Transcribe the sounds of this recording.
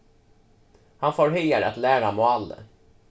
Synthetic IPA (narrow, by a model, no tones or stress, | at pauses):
hanfoːɾɦœjaɾa̰t̪lɛːɾamɔalːə̰